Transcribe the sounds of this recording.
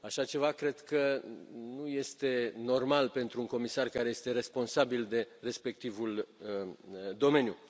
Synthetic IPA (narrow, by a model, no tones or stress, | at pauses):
aʃat͡ʃe̞vakɾe̞d̪kənuje̞st̪e̞no̞rmalpe̞nt̪ɾuːŋko̞misarkaɾe̞je̞st̪e̞ɾe̞spo̞nsabild̪e̞re̞spe̞k̚t̪ivul | d̪o̞me̞nʲju